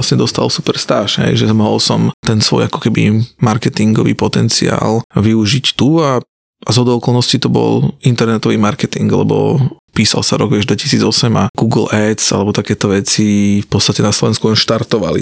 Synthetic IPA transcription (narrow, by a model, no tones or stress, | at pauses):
asɲɛd̪ɔst̪a̰lsupɛɾst̪aːʃɦɛ̰jʒɛmɔɦɔlsɔmt̪ɛnsʋɔ̰jakɔ̥kɛbḭmaɾkɛt̪iŋɡɔʋḭːpɔt̪ɛnt͡sia̰ːlʋiuʒict̪ua | azɦɔd̪ɔʊɔkɔlˠnɔscit̪ɔbɔ̰lint̪ɛɾnɛt̪ɔʋiːmaɾkɛt̪iŋɡlɛ̰bɔ̰piːsa̰lsaɾɔ̰ɡʋɪɛʒd̪ʋɛci̥siːd͡zɔsɛmaɡ̥uːɡl̩ɛsa̰lɛbɔt̪akɛːt̪ɔʋɛt͡sifpɔtt͡sst̪acɛnaslɔʋɛnskulɛnʃt̪aɾt̪ɔʋa̰lḭ